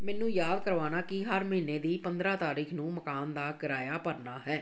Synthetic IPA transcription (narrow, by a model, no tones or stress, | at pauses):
mɛːnũːjaːd̪kəɾʋaːnaːkɪɦəɾməɦiːneːd̪iːpənd̪ɾãːt̪aːɾiːkʰnũːməkaːnd̪aːkəɾaːjaːpəɾnaːɦɛː